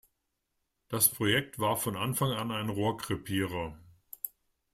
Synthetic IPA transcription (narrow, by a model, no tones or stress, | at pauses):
d̥aspʁ̥ojɛk̚tv̥aːɐfɔnʔanfaŋanaɪnʁoːɐkʁ̥ɪpʰiːʁɐ